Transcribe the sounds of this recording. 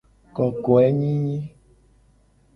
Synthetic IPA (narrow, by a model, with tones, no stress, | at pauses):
kɔ˨kɔ˨ɛ˦ɲĩ˦ɲĩ˦